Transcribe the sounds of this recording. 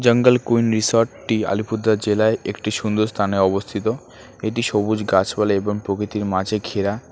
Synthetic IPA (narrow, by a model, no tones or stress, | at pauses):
d͡ʑəŋɡəlkujnɾisoɾʈːia̰lipʰud̪ʱːad͡ʑelaeʔekʈiʃund̪oɾst̪ʰaneɔbost̪ʰit̪o | eʈiʃobud͡ʑɡat͡ɕbaleeboŋpɾokɾit̪iɾmãd͡ʑʱeɡʱʰeɾa